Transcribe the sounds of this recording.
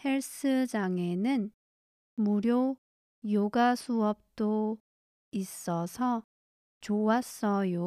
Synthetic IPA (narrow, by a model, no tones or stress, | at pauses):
he̞ɭs͈ʰɯd͡ʑaŋe̞nɯn | muɾjo | joɡasʰuʌp̚t͈o | is͈ʌsʰʌ | t͡ɕowas͈ʌjo